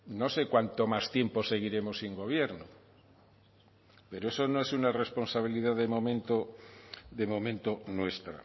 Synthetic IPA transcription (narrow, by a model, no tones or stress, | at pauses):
no̞se̞kwant̪o̞mast̪je̞mpo̞se̞ɣ̞iɾe̞mo̞siŋɡo̞β̞je̞ɾno | pe̞ɾoe̞so̞noe̞sunare̞spo̞nsaβ̞iliðaðemõmẽnt̪o | ðe̞mõ̞mẽnt̪o̞nwe̞st̪ɾa̰